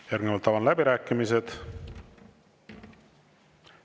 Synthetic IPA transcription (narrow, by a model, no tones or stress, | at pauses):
jærɾɡŋevɑlt̪ːɑvɑnlæbiɾæːkːˑimise̞d̪̥